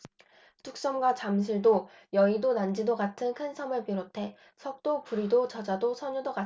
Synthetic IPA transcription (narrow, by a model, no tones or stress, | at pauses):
tʰuk̚s͈ʌmɡwat͡ɕams̬ʰiɭdojʌidonand͡ʑidoɡatʰɯnkʰɯnsʰʌmɯɭpiɾotʰe̞ | sʰʌk̚t͈opuɾidot͡ɕʌd͡ʑadosʰʌɲudoɡa